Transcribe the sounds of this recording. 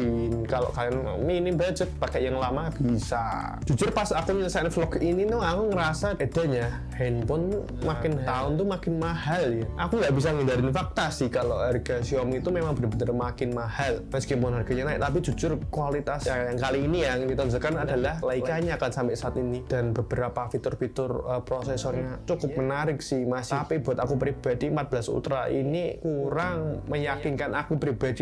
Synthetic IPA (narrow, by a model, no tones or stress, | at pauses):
inkalo̰ʔkalian̰ | minɪmbad͡ʒət̪̚pakɛʔjaŋlamab̥isa̰ | d͡ʒ̥ud͡ʒʊrpasakuɲsanflɔkinit̪uakuŋəɾasaed̥aɲa | hɛnpʊn | makɪnt̪aʊnt̪umakɪnmahaljaʔakuŋɡaʔbisaŋidaɾɪnfak̚t̪asɪhkaloʔharɡ̥asiɔmiit̪umemaŋbənəbənərmakɪnmahalməskɪpɔnɦarɡ̥a̤ɲanaɪʔt̪ap̬id͡ʒud͡ʒʊrkwalit̪asjajaŋkaliːnijadit̪and͡ʒulkanada̤lahlaikaɲakansampɪʔsaːt̪inid̥a̤nbəb̥əɾapafit̪ʊrfit̪ʊrəpɾosesɔrɲat͡ʃukʊp̚mənaɾɪksɪhmasapib̥ṳat̪akupɾib̥a̤d̥iəmpat̪̚bəlasṵt̪ɾaʔinikuɾaŋməjakɪnkanakupɾib̥ad̥i